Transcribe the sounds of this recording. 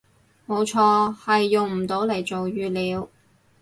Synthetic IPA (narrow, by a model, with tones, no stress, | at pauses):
mo˨˧wt͡ʃʰɔː˧hɐ˨jːʊ˨ŋm̩˨˩t̪o˨˧˥wle˨˩jt͡so˨wjyː˨˧liː˨˧w